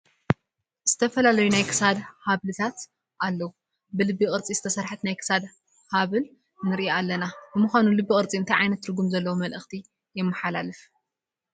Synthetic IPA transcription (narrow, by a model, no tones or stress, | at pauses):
z̥ɨt̪ʰɐfɐlalɐjunajkʰɨ̥sad̪haβlɨt̪ʰat̪ | ʔalːɐwu | bɨlɨbːiɣʼɨɾt͡sʼizɨt̪ʰɐsɐɾħɨt̪najkʰɨ̥sad̪ | haβɨl | nɨɾʔaalːɐnabɨmuxʷanulɨbːikʼɨɾt͡sʼiɨnt̪ʰɐjʕajnɐt̪ːɨɾɡumzɐlːɐwumɐlʔɨxt̪ʰi | jɛmːɐħalalɨf